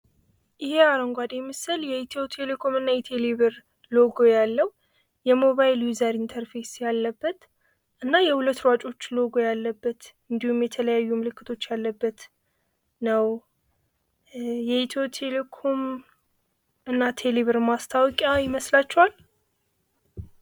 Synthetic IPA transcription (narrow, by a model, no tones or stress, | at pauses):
ʔɨheaɾəŋɡʷad̪emɨsɨljɛit̪ʰot̪ʰe̞lekʰo̞mɨnːajɛt̪ʰe̞liβɨɾ | lo̞ɡo̞jalːəwu | jɛmo̞βajljuzəɾint̪ʰəɾfe̞sjalːəbːət̪ | ʔɨnːajɛhulət̪ːɾwat͡ʃʼo̞t͡ʃːlo̞ɡo̞jalːəbːət̪ɨnd̪ihumjɛt̪ʰələjajːumɨlɨkʰːɨt̪ʰo̞t͡ʃːjalːəbːət̪ | nəw | jɛit̪ʰowt̪ʰe̞lekʰo̞m | ɨnːat̪ʰe̞liβɨɾmast̪ʰawkʼajɪməslat͡ʃːɛwal